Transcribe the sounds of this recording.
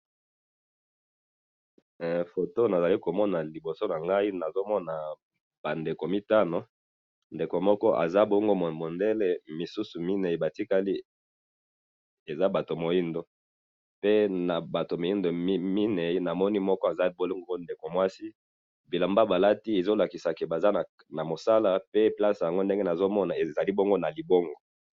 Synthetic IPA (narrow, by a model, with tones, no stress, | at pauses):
fo˨to˦na˨za˨li˦ko˨mɔ˦na˨li˨bo˨so˦na˨ŋɡa˦i˦na˨zo˦mɔ˦na˨ | ba˨nde˨ko˨mi˦ta˦no˨ | nde˨ko˨mɔ˦kɔ˦ʔa̰˨za˦bo˦ŋɡo˦m˨mo˨nde˦le˦mi˨su˦su˨mi˦ne˨i˨ba˨ti˦ka˦li˦ | e˨za˦ba˨to˨mo˨ji˦ndo˨ | pe˦na˨ba˨to˨m˨ji˦ndo˨˦mi˦ne˨i˦na˨mɔ˦ni˦mɔ˦kɔ˦a˨za˦bo˦lo˦ŋɡo˦o˦nde˨ko˨mwa˦si˦ | bi˨la˨mba˦ba˨la˦ti˦e˨zo˦la˨ki˨sa˨ke˨ba˨za˦n˨ | na˨mo˨sa˦la˦pe˦pla˦sja˨ŋɡo˦n˦de˦ŋɡe˦na˨zo˦mɔ˦na˨e˨za˨li˦bo˦ŋɡo˦na˨li˨bo˦ŋɡo˨